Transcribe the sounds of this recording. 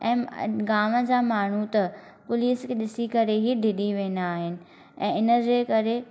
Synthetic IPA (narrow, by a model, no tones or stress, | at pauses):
ɛ̃ːɡaːməd͡ʑaːmaːɳ̤ut̪ɐ | pʊliːskʰeɗɪsikɐɾeɦiɖʱɪɗiʋẽːnd̪aːɦɪnɪ̆ | ɛ̃ːɪnəd͡ʑeːkɐɾe